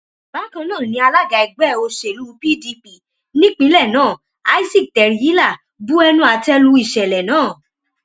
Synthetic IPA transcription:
ba˨˦kã˧nãː˦˨nĩ˧a˧la˦ɡa˧i˧˨ɡ͡bɛ˦˨o˧ʃe˨lu˦˧pi˦di˧pi˧˨ | nĩ˦k͡pĩ˦lɛ˦˨nãː˦˨ | a˦i˦si˦˨tɛ˨ɾi˨˧ji˦la˦˨ | bu˦ɛ˧nũ˦a˧tɛ˦lu˧˦i˦˨ʃɛ˨lɛ˨nãː˨˦˨

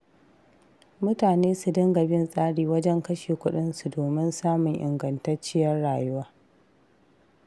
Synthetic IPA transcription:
mʊ˦taː˨neː˦su˨dɐ˦ŋɡɐ˨bɪ˦nsʼaː˦ɽiː˨wɐ˦d͡ʒɛ˦ŋkɐ˦ʃeː˨kʷʊ˦ɗɪ˦nsu˨doː˨mɪ˦nsaː˦mʊ˨ŋʔɪ̰˨ŋɡɐ˨ntɐ˦rt͡ʃɪ˦jɐ˦rɽaː˨jʊ˦waː˦

